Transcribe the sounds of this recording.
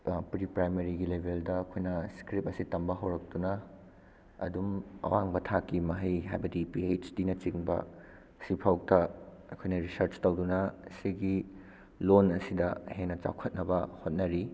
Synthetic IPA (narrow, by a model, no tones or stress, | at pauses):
pɾipɾajmeɾiɡilebʱeldɐːkʰojnɐskɾip̚ɐsitɐmbɐɦɐwɾɐk̚tunɐ | ɐ̰dumɐ̰waŋbɐtʰakːimɐɦɐjɦajbɐdipiejt͡ʃdinɐt͡ʃiŋbɐ̰ | sipʰawk̚tɐɐkʰojnɐɾisɐɾt͡ʃtɐwdunɐsiɡi | lonɐsidɐheŋnɐt͡ʃa̰wkʰɐt̚nɐbɐhot̚nɐɾi